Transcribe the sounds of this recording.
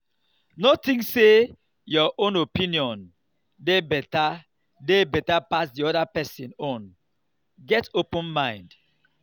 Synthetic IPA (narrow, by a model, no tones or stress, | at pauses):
notĩŋkse | jɔʔõnopĩniɔ̃n | debɛta | debɛtapasdiɔdapɛsĩnɔ̃n | ɡɛtopũnmãɪ̃nd